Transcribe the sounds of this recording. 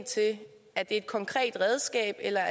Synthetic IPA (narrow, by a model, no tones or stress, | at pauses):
ŋt͡sʰe̝ | ʔæɐd̥e̝e̝d̥̚kʰɒ̽ŋkʰʁɛ̰ːd̥ʁɛð̞ˠsɡ̥ɛ̰ːb̥elɐæ